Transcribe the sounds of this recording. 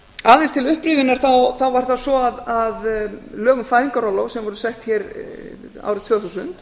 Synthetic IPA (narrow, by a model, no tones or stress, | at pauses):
aːðɛnst̪ʰɪlʏhpɾiðʏnaɾ̥θawθawvaɾ̥θasɔaðaðlœːɣʏmfaːjðiŋkaɾɔlowsɛmvɔɾʏsɛht̪çɛɾ | a̰wɾʏt̪v̥œːθusʏnt̪